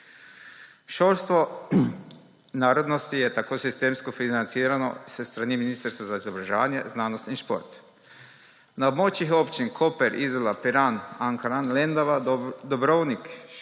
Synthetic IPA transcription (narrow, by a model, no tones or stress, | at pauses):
ʃoːlst̪ʋo | naːɾod̪nost̪ijɛt̪akoːsist̪eːmskofinant̪siːɾano̰səst̪ɾaːniminist̪ɾst̪ʋazaizobɾaʒeʋaːnjḛznaːnost̪inʃpo̰ɾt̪ | nabmot͡ʃixopt͡ʃinkʰopɛɾʔizolapiɾanaŋkaɾanlend̪oʋad̪obɾownik